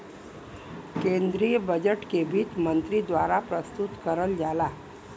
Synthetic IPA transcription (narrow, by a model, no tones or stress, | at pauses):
kend̪ɾijəbəd͡ʑəʈkebʱiːt̪mənt̪ɾiːd̪ʋaɾapɾəst̪ut̪kəɾəld͡zala